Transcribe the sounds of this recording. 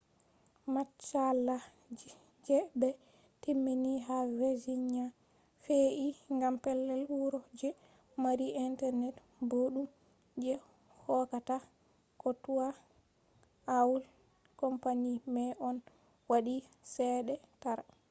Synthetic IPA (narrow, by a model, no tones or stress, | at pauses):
mat͡ʃːalːa | d͡ʒi | d͡ʒɛbɛ | timːiniɦaɾed͡ʒiɲa | feʔiŋɡampɛlːɛluɾɔd͡ʒɛ | maɾiʔintɛɾnɛt | boɗum | d͡ʒɛ | hɔkata | kɔtuwa | awul | kɔmpanimɛʔɔn | waɗi | sɛːɗɛtaɾa